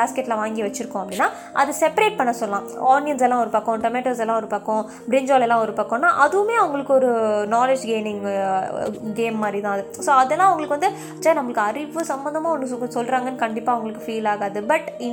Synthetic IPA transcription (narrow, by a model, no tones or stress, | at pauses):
aːskɛʈːlɐʋaːŋɡiʋɐt͡ʃːɪɾɯkːʊ̃ɐpːɐɽinːaː | ʔɐ̰ðɯsɛpɐɾeːʈ̚pɐɳːɐsɔlːɐlãːaːnɪjɐns̬ɛlːãːɔɾɯpɐkːɔ̃ʈɐmeːʈːɐːs̬ɛlːãːɔɾɯpɐkːõ | bɾɪɲd͡ʒaːlɛlːãːɔɾɯpɐkːɔ̃nːaːʔɐðɯʋɯmeːɐʋɐŋɡɐɭɯkːɯɔɾɯnaːled͡ʒɡeːnɪ̃ŋ | ɡeːmːaːd̪ɾit̪ãːɐðɯ | soːɐðɛlːãːɐʋɐŋɡɐɭɯkːɯʋɐnd̪ɯ | saːɾnɐmːɐɭɯkːɯɐɾɪʋɯsɐmbɐnd̪ɐmaːɔnːɐsɔlːɾaːŋɡɐnːɯkɐɳɖɪpːaːɐʋɐŋɡɐɭɯkːɯfiːlaːɣaːðɯbɐʈɪ